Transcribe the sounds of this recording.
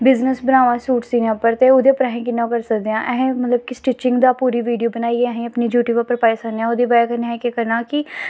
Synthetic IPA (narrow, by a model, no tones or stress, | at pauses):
bɪznəsbənaːʋãːsuːʈsiːnãpəɾt̪eːʊd̪eːpɾaːɦẽːk̬ɪnːãːkəɾsəkd̪eãːʔɛɦẽːmət̪ləb̚kɪsʈɪt͡ʃːɪŋɡd̪aːpuːɾiːʋiːɖijoːbənaːieɛɦẽːəpniːd͡ʒjuːʈuːbapəɾpaːjsaːneãːʊd̪iːbaːakəɾneːɦɛ̃keːkəɾnaːkɪ